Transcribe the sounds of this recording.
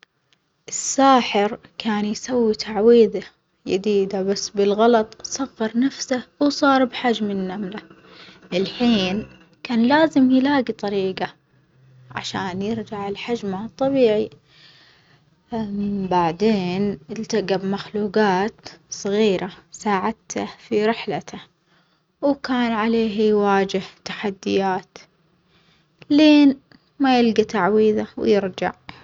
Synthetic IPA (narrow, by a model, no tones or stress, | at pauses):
ʔɪsːaːħɪɾkaːnjsawːit̪ʰaʕwiːða | ja̰d̪iːd̪abasːbɪlɣɑlɑt̪ˤsˤɑfːɑɾˤnafsawsˤɑːɾˤbħad͡ʒmɪnːamla | ʔɪlħiːn | kaːnlaːzɪmjlaːɡit̪ˤɑɾiːɡa | ʕa̰ʃaːnjɪɾd͡ʒaʕɪlħad͡ʒmat̪ˤːɑbiːʕi | baʕd̪eːnɪlt̪aɡabmaxluːɡaːt̪sˤɨɣiːɾasaːʕad̪t̪ʰafiɾɪħlat̪ʰa | wkaːnʕaleːɦjwaːd͡ʒɪht̪ḁħad̪ːɪjaːt̪ | leːn | majɪlɡat̪aʕwiːðawjɪɾd͡ʒa̰ʕ